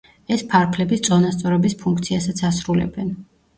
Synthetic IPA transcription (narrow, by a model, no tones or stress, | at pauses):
ɛspʰaɾpʰlɛbist̪sʼɔnast̪sʼɔɾɛbispʰuŋkʰt̪sʰiasat̪sʰasɾulɛ̰bɛn